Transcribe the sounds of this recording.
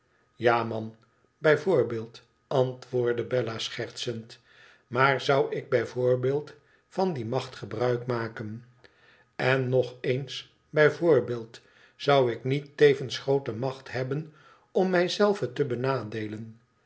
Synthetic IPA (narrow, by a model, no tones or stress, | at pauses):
jaːmɑn | bɛjvʊːɹbeːlˠt | ɑntʋʊːɹdəbɛlasχɛɹtsənt | maːɹzʌwɪɡ̚bɛjvʊːɹbeːlˠt | fɑndimɑχtχəbrœɥkmaːkən | ɛnːɔχens | bɛjvʊːɹbeːlˠt | zʌwɪknitejvənsχrowtəmɑχtɦɛbən | ɔmːɛjzɛlˠvətəbənaːdejlən